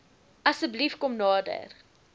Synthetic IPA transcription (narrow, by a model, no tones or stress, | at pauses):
ʔɐsəblifkɔmnɑːdə̰r